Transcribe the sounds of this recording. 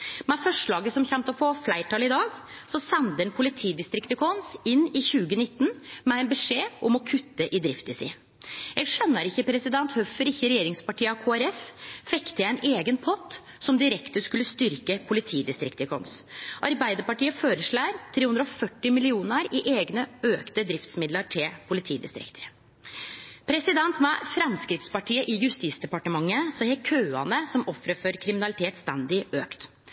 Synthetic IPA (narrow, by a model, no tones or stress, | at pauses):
mɛfœʂɭɑːɡəsɔmçɛmt̪əfɔːflæɪʈɑlɪd̪ɑːɡsɔsɛnd̪əɛnpʰʊlɪt̪ʰiːd̪ɪst̪ɾɪkt̪ɪkʰɔnsɪnːɪçʉːɡənɪt̪ːnmɛɛɪnbəʂeːɔmɔkʰʉt̪ːəʔɪd̪ɾɪft̪əsɪ̰ | jɛɡʂœnːəɾɪçːəpʰɾɛsɪd̪ɛnt̪hœfəɾɪçːəɾɛjeːɾɪŋspɑʈiːkʰoːæɾɛffɛkt̪əjæɪneːɡənpʰɔt̪ː | sɔmd̪ɪɾɛkt̪əskʉlːəst̪ʏɾkəpʰʊlɪt̪ʰiːd̪ɪst̪ɾɪkt̪əkʰɔ̰nsʔɑɾbæɪd̪əɾpɑʈiːəfoːɾəʂɭæːɾt̪ʰɾeːʉnd̪ɾɔfœʈːɪmɪlɪuːnəɾɪʔeːɡnəøːkt̪əd̪ɾɪft̪smɪd̪ləʈʰɪlpʰʊlɪt̪ʰiːd̪ɪ̰st̪ɾɪ̰kt̪ʰə | pʰɾɛsɪd̪ɛnt̪ʋɑfɾɑmskɾɪt̪spɑʈʰiːəʔɪjʉst̪iːsd̪ɛpɑʈəmɑŋːəsɔhɛkʰøːɑ̰nəsɔmɔfɾəfɔɾkʰɾɪmɪnɑlɪt̪ʰeːt̪st̪ɛnd̪ɪøːkt̪